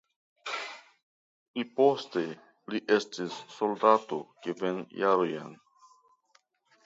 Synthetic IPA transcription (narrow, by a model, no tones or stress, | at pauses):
ipo̞ste | liʔestisːoldato̞kevenjaɾoja̰n